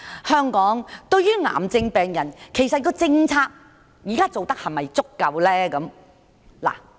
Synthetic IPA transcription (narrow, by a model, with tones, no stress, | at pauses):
hœː˥ŋkɔː˨˥ŋt̪ɵ˧ɥjyː˥ŋa̰ː˨˩mt͡sɪ˧ŋpɛː˨ŋjɐ˨˩nkʰe˨˩jsɐ˨t̚kɔː˧t͡sɪ˧ŋt͡sʰaː˧k̚ | jiː˨kaː˥t͡so˨wt̪ɐ˥k̚hɐ˨˩mɐ˨jt͡sʊ˥kːɐ˨˧wlɛː˥kɐ˨˥m | la̰ː˨˩